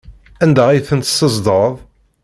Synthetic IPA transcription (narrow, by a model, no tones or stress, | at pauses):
ænd̪æʁijθənt̪ə̥səzd̪əɾˤðˤ